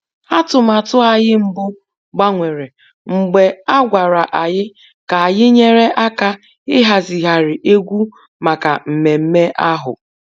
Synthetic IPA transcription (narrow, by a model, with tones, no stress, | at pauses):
a˦tʊ˨ma˨tʊ˦a˨jɪ˦m̩˦bʊ˦ | ɡ͡ba˦ŋʷe˨ɾe˨ | ŋ͡m̩˨ɡ͡be˨a˦ɡʷa˨ɾa˨ʔa˨ɲɪ˦ | ka˨a˨jɪ˦ɲe˦ɾe˦ʔa˦ka˦ | ɪ˦ɦa˨zi˨ɦa˨ɾɪ˨ʔe˦ɡʷu˦ | ma˨ka˨m̩˨me˨m̩˦me˦ʔa˦ɦʊ̰˨